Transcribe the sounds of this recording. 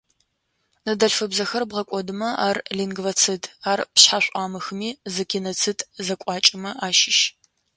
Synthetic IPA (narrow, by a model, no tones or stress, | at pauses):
nɐdɐɬfɨbzɐxɐrbʁɐkʷʼɔdɨmɐʔaːrliŋɡvɐt͡sʰɨdʰaːrpɕħaɕʷʼaːmɨxɨmiːzɨkʰenɐt͡sʰɨtʼzɐkʷʼɑːt͡ʃʼɪmɐʔaːʃɪʃ